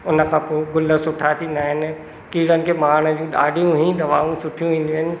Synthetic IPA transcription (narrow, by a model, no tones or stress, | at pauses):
ʊnə̆kʰãːpoːɡʊlə̆sʊʈʰat̪ʰind̪aːɦɪnɪ̆ | kiːɽənɪ̆kʰeːmaːɽ̃əd͡ʑũɗa̰ːɖijũɦĩd̪ɐʋaːɦũsʊʈʰijũʋĩːn̆d̪iɦənɪ̆